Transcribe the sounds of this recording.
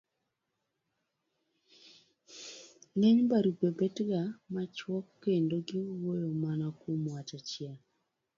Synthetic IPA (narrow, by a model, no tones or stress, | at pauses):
ŋɛɲbaɾuɡebetɡamat͡ʃwɔkːendoɡiwojomanakomwatat͡ʃja